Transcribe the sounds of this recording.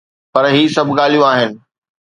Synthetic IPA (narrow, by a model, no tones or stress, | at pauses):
pɐɾɦiːsɐbʱɠaːl̤ijũaːɦɪnɪ̆